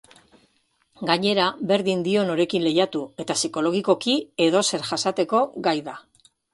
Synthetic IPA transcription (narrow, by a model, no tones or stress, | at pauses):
ɡaɲe̞ɾabe̞ɾðind̪io̞no̞ɾe̞kinle̞jat̪ue̞t̪asiko̞lo̞ɣ̞iko̞kie̞ðo̞se̞ɾʝasat̪e̞ko̞ɡajða